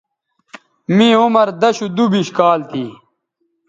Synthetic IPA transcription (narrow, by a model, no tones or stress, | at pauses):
mĩːumɐɾd̪ɐɕud̪ubiɕkaːlt̪ʰiː